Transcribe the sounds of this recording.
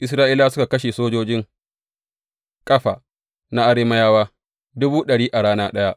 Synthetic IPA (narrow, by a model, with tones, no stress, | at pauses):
ʔɪ˦s̬ɾaː˦ʔiː˦la˦sʊ˦ka˨kɐ˦ʃe˨soː˦d͡ʒoː˦d͡ʒɪ˦ŋ | kʼɐ˦ɸaː˨ | na˦ʔa˦ɾeː˦mɐ˦jaː˦waː˦ | dʊ˦buː˦ɗɐ˨ɽiː˦ʔa˨ɽaː˦naː˦ɗɐ˦ja˦ʔ